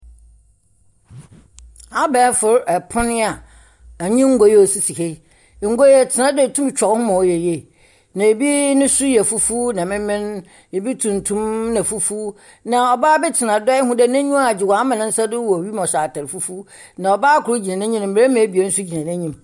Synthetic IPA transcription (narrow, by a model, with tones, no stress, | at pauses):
a˦bɛː˦fʊ˨ɾɛ˨pʰʊ̃˦nɪ̃˦a˨ | ɲĩ˦ŋ̩˦ɡo˦jo˨si˨si˨he˦˨ | ŋ̩˦ɡo˦jɛ˨tʰɪ˨nã˦dʊ˦˨tʰũ˦m˦t͡ɕᶣɔ˨˦hʊ̃˦mã˨ɔ˨jɛ˨jɛ˨ | nã˨e˨bi˦nʊ̃˦sʊ˦jɛ˨fu˦fu˦nã˨mɪ̃˦mɪ̃˦n | e˨bi˦tʰũ˨n˨tʰũ˦mnã˨fu˦fu˦ | nã˨ɔ˨baː˦bɛ˦tʰɪ˨nã˨dɔ˦ɪ˦ɦʊ̃˦dɛ˦nɛ̃˦ɲĩ˦ma˨d͡ʑɪ˨wã˨˦mã˨nɪ̃˦n̩˦sa˦dʊ˦wɔ˨ɥi˦mɔ̃˨ɕa˨tʰa˨ɾfu˦fu˦nã˨ɔ˨baː˦kʰʊ˨ɾʊ˦d͡ʑi˨ã˨nɛ̃˦ɲĩ˦ñ˨m̩˨bɾe˦mã˨˦bi˨e˦n̩˦sʊ˦d͡ʑi˨nã˨nɛ̃˦ɲĩ˦m